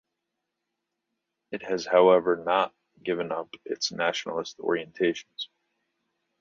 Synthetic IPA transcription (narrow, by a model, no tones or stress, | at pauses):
ɨt̚hɨz̥haʊɛvə˞nət̚ | ɡ̥ɪvɨ̃nʌpɪtsnæʃnl̩ˠəstɔ̰ɹiɨ̃ntʰeɪʃn̩z̥